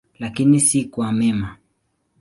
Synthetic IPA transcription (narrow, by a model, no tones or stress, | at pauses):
lakinisikwamɛma